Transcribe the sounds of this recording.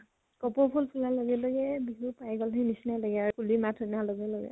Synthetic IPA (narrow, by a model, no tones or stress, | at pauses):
kɔpɔpʰulpʰulalɔɡɛlɔɡɛbiɦupajɡɔlɦenisinalɔɡɛaɹukulimatʰɔnalɔɡɛlɔɡɛ̰